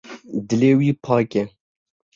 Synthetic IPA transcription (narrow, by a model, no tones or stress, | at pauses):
d̪ɨleːwiːpʰɑːkɛ